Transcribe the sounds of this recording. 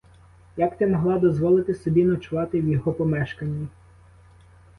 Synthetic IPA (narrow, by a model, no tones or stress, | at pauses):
jɐkt̪ɛmɔɦlˠɑd̪ɔzʋɔlˠɪt̪ɪsɔbʲinɐt͡ʃʊʋɑt̪ɪwjɔɦɔpɔmɛʃkɐnʲːi